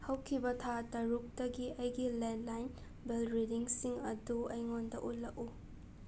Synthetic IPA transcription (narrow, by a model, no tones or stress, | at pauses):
hɐwkʰibɐtʰatɐɾuk̚tɐɡiʔɐjɡiledlajn | belɾidiŋsiŋɐduɐjŋondɐʔut̚lɐku